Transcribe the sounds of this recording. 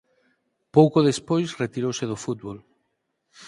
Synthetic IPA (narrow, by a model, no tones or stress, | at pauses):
powkoð̞espojsret̪iɾowseðofut̪̚βol